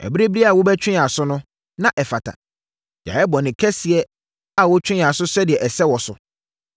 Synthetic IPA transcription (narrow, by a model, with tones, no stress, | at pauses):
ɛ̰˨bi˦ɾe˦bi˦ɾi˦a˨wʊ˦bɛ˦t͡ɕʰᶣɪ̃˦˨a˨sʊ˦nʊ̃˦ | nã˦ʔɛ˨fa˨tʰa̰˨ | d͡ʑa̰˨ɛ˦bɔ˨nɪ̃˨kʰɛ˦sɪ˨ɛ˦ | a˨wɔ˦t͡ɕᶣɪ̃˦˨a˨sʊ˦sɛ˦dɪ˨ɛ˨ʔɛ˨sɛ˦wɔ˨sʊ˨